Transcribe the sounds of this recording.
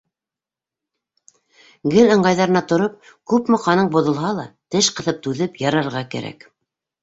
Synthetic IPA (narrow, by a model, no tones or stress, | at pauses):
ɡɘlɤ̆ɴɢɑjðɑɾɤ̆nɑt̪ŏɾop̚kʉpmɘ̆qɑnɤɴbŏðŏlˠɦɑlˠɑt̪ɘʃqɤ̆θɤp̚t̪ʉðɘpjɑɾɑɾʁɑkæ̰ɾæ̰k